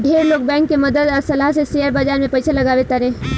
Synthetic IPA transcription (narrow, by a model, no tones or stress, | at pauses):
ɖʱeːɾloːɡ̚bɛ̃ːŋkːeməd̪əd̪ɔːɾsɐlaɦsesejəɾbad͡ʒaːɾmẽpɐɪsʰelɐɡaːʋet̪aɾẽː